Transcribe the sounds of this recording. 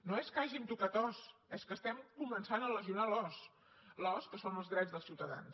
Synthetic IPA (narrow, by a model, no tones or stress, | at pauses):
noeskəaʒint̪ukat̪ɔsɛskəst̪ɛmkumənsanələʒiunalɔs | lɔskəsonəlˠzɣɾɛzðəlˠsiwt̪əða̰ns